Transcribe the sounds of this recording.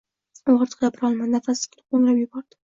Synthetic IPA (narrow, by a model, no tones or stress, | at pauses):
oʁɨɾt̪ʰɨ̥qɡʲapʰɪɾɒlˠmannːafasɪ̥qʰʊ̥lˠɪpoŋlapjʊbɒɾd̪ɪ̥